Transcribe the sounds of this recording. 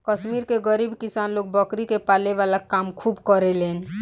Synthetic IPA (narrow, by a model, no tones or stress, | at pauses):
kəʃmiɾkeɡəɾiːbkɪsaːnloːk̚bəkɾikepaːleʋaːlakaːmkʰuːbkəɾeleːn